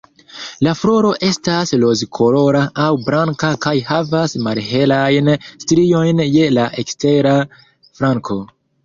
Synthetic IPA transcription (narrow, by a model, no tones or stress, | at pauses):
laflo̞ɾo̞ʔe̞staslo̞zkʰo̞lo̞ɾaʔawbɾaŋkakajhavasmalɦe̞lajnstɾio̞jnje̞laʔe̞kste̞ɾa | fɾaŋkʰo̞